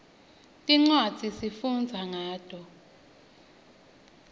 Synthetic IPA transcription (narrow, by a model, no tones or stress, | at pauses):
tʼiŋ͡ǀwad̥z̥ʱisifund͡zʱaŋaːd̥ʱɔ